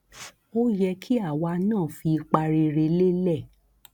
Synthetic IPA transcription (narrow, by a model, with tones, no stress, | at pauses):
o˦jɛ˧kʰi˦a˦˨wa˧nãː˦˨fi˧i˧k͡pa˧ɾe˧ɾe˧le˦lɛ˦˨